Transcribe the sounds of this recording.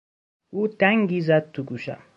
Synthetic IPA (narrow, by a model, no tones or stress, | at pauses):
ut̪aŋɡizat̪ːuɡuʃa̰